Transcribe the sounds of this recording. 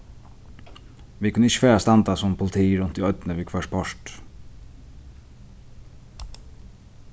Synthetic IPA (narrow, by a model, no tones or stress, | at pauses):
ʋiːkʰʉnəɪçə̥fæːɾast̪ɑnd̪ɑsɔmpʰʊlɪt̪ʰiːɾʉnt̪̚d̪iːœʏt̪nəʋiːkʰʋœʂpʰɔʂt